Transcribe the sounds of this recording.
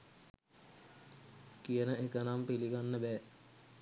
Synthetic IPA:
kijənəekənampiliɡanːəbɛː

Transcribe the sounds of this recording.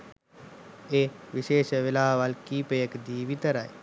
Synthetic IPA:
eʋɪʃeːʃʋɪlaːɦʋalkiːpejəkd̪iːʋit̪əɾae

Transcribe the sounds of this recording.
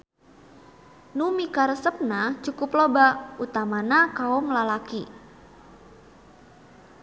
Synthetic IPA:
numikaɾəsəp̚nat͡ʃukʊplobaʔut̪amanakaɔmlalaki

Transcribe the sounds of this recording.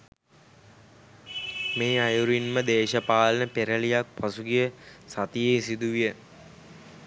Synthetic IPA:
meːajuɾinməd̪eːʃəpaːlənəpeɾəlijak̚pasuɡijəsat̪ijejsid̪uʋijə

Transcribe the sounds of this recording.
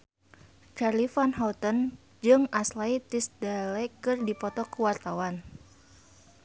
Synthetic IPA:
kalifanɦat̪ən | d͡ʒɨŋaslait̪isdalɛkɨrdipɔt̪ɔkəwart̪awan

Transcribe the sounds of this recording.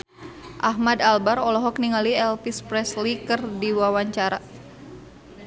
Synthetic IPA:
ʔaɦmadalbaɾɔlɔɦɔkniŋaliɛlpispɾɛslikɨrdiwawaɲt͡ʃaɾa

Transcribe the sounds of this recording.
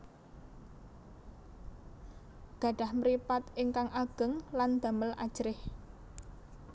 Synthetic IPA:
ɡ̥a̤ɖ̥a̤hməɾipat̪ɪŋkaŋʔaɡ̥ə̤ŋland̪̥a̤məlʔa̰d̥ʒ̥ɾɪh

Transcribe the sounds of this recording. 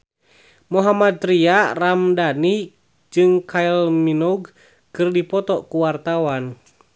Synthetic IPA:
muɦamad̪̚ɾiaramdani | d͡ʒɨŋkailminɔɡ | kɨrdipɔt̪ɔkuwart̪awan

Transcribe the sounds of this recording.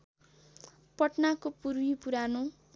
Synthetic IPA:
pʌʈnakopuɾwipuɾano

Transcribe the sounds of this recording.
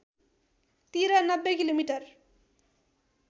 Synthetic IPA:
t̪iɾanʌbːekilomiʈʌɾ

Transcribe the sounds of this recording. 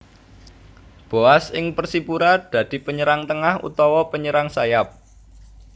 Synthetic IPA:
b̥oasɪŋpərsipuɾad̪̥ä̤d̪̥i̤pəɲəɾaŋt̪əŋahṵt̪ɔwɔpəɲəɾaŋsajap̚

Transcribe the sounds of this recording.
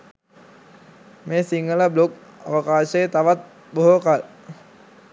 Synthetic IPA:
meːsiŋɡələblok̚a̰ʋəkaːʃəjət̪aʋat̪̚ | boɦokal

